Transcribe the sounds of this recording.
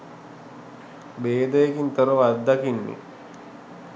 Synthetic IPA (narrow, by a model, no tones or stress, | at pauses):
beːd̪əjekint̪əɾəʋad̪ːakinːḭ